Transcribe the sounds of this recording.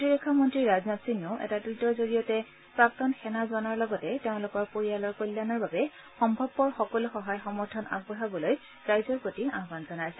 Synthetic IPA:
diɹɔkʰːamɔntɹiɹaznasinɔʊʔɛ̰tadɹutɔzoɹijɔtɛ | pɹak̚tɔnxɛnazɔnaɹlɔɡɔtɛteʊ̃lʊkɔɹpoɹijalɔɹkojlːanɔɹbabɛ | xɔmbʱɔbːɔɹxɔkɔlʊxɔɦajxɔmɔɹtʰɔna̰ɡ̚bɔɦabɔloj | ɹajzɔɹpotiaɦbanzɔnajsɛ

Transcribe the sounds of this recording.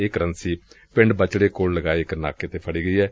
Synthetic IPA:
eːkəɾənsiː | pɪ̃ɳɖbət͡ʃɽeːkoːlləɡaːeɪkna̰ːkeːt̪eːpʰəɽiːɡəiːɛː

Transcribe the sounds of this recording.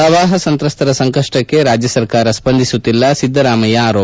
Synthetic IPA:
ɐʋaːɦɐsɐnt̪ɾɐst̪ɐɾɐsɐŋkɐʂʈɐkːeɾaːd͡ʒjɐsɐɾkaːɾɐspɐnd̪ʱisut̪ːilːɐsid̪ːɐɾaːmɐjɐːɾoː

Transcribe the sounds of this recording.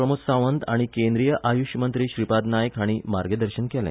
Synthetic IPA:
ɾəmuksaʋənd̪aɽ̃ikẽnd̪ɾijəʔajuɕmənt̪ɾiːɕɾipad̪najəkɦaɽ̃iːmaɾɡəd̪əɾɕənkɛlɛ̰̃

